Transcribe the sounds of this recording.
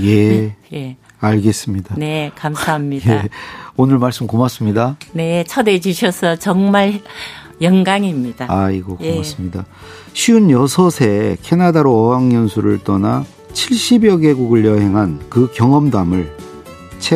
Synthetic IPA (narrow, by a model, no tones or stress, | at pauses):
je̞e | aɭɡe̞s͈ɯmɲidanekamsʰaɦamɲijeonɯɭmaɭs͈ɯmkomas͈ɯmɲidane̞t͡ɕʰʌded͡ʑuɕʰʌsʰʌt͡ɕʌŋmaɭ | jʌŋɡaŋimɲid̥aaiɡokoas͈ɯmɲida | ɕʰiunjʌsʰʌsʰe̞kʰe̞nadaɾoʌwaŋjʌnsʰuɾɯɭt͈ʌna | t͡ɕʰiɭɕ͈ibjʌɡe̞ɡuɡɯɭjʌɦe̞ŋɦankɯkjʌŋʌmdamɯɭ | t͡ɕʰe